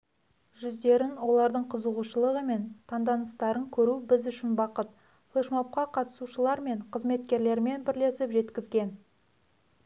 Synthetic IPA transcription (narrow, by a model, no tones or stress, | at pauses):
ʒʏzd̪e̞ɾɪnwo̞lˠɑɾd̪əɴqʰəzəʁuʃəlˠəʁəme̞nt̪ʰɑnd̪ɑnəst̪ɑɾəŋkʲʰɵɾubɪzʏʃɪnbɑqət̪ | flˠeʃmop̚qɑqʰɑt̪ə̥suʃəlˠɑɾme̞ɴqʰəzme̞t̪kʲe̞ɾle̞ɾme̞nbɪɾle̞sɪpʒe̞t̪kʲɪzɡʲen